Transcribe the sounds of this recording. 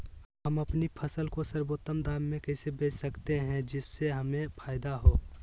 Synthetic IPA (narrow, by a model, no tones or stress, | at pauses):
ɦəməpnipʰəsəlkosəɾboːt̪ːəmd̪aːmːẽkɛɪsebeːt͡ʃsɐkt̪eɦɛ̃d͡ʒɪsːeɦəmẽpʰaːɪd̪aɦoː